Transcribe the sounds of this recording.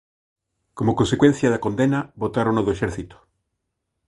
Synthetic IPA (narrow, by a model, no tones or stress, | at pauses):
komokonsekwen̟θjaðakond̪enaβot̪aɾonoðoeʃeɾθit̪o̥